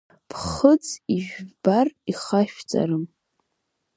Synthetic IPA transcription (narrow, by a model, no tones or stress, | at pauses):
pʰχət͡siʒᶣbariχaʃᶣt͡sʼa̰ɾɨm